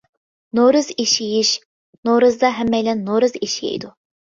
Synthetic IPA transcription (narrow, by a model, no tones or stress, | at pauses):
noɾɨziʃijiʃ | noɾɨzd̪ɑɦɛmːɛjlɛnːoɾɨziʃiḛd̪u